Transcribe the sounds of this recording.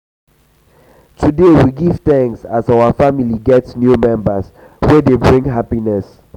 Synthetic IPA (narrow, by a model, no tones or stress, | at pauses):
tʰudewiɡiv̥θɛ̃ŋsazawafamiliɡɛtnjumɛ̃mbəs | wɛdebɹĩŋɦapinɛs